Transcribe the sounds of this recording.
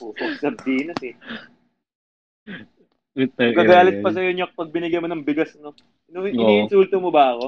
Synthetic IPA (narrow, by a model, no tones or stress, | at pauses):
oːoɡsɐb̚d̪iːnɐsɛ | t̪ɐɡkɐɡaːlɪt̪̚pɐsɐjoɲokpɐɡ̚bɪnɪɡɐjmonɐŋbɪɡɐsmo | noʔɪniːʔɪnsuːlt̪omobɐɐko̞